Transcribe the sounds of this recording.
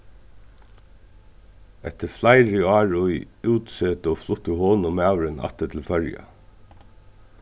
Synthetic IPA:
ɛt̪əflæɪɹioːɑːɹʊʏʉːt̪søːt̪oːflʊt̪əhoːnɔmæːʋɹənʔɑ̰t̪ət̪ʰl̩fœɹjɑ̰

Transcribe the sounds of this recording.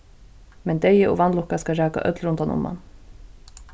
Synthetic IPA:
mɛnt̪ejəʔɔ̰vanlʊhkaskaɾæːka̰ʔœ̰t̪lɾʊnt̪anʊ̰ma̰n

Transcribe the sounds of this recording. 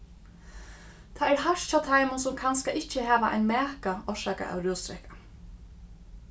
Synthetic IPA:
t̪ʰaːɛɾhaʂt͡ʃaːt̪ʰajmʊnsʊmkʰanskaʔɪht͡ʃːəɦæːʋaʔa̰jnmɛːkaɔʂaːka̰ʔa̰wɾoːst̪ɾɛhkḁ

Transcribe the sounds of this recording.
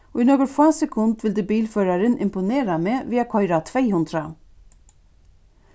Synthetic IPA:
oːiːnoːɡəɾfaːsɛkʰʊnd̪ʋɪld̪eːbiːlføːɾaɾənʔɪ̰mpʊneːɾameːʋiːakʰɔʏɾat̪ʰʋeɪhʉnd̪ɾa

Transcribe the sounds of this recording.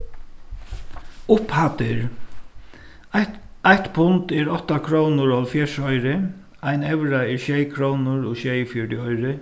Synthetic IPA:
ʊphat̪ɪɹ | ajt̪pʰʊnt̪ɛɹɔt̪ːakʰɾownʊɹɔlfjɛʂɔjɾɪ | ajnɛʋɾaɛɹʃejkʰɾownʊɹɔʃɛjfjɔɖɪɔjɾɪ

